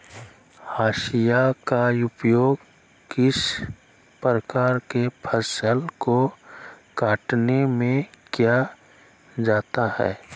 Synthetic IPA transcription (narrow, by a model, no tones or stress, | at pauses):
haːʃijakaʊpjoːɡ | kɪs | pɾəkaːɾkepʰəsəlko | kaːʈnemẽkja | d͡ʒaːt̪ahɛ̰ː